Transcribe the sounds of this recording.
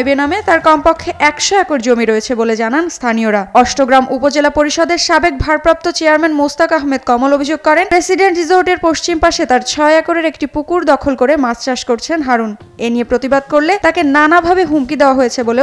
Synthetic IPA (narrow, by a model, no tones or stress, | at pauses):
benamet̪aɾkɔmpɔkʰːeʔɛkʃɔɛkoɾd͡ʑomiɾoet͡ɕʰeboled͡ʑananst̪ʰanioɾaɔʃʈoɡɾamʔupod͡ʑelapoɾiʃɔd̪eɾʃabek̚bʱaɾpɾap̚t̪ot͡ɕeaɾmɛnmowst̪akaɦmed̪̚kɔmolobʱid͡ʑoɡ̚kɔɾenpɾesiɖenɳʈɾizoɾʈeɾpoʃt͡ɕimpaʃet̪aɾt͡ɕʰɔeɛkoɾeɾekʈipukuɾd̪ɔkʰolkoɾemad͡ʑt͡ɕaʃkoɾt͡ɕʰenɦaɾun | eniepɾot̪ibad̪̚koɾlet̪akenanabʱabeɦumkid̪eoaɦojet͡ɕʰebole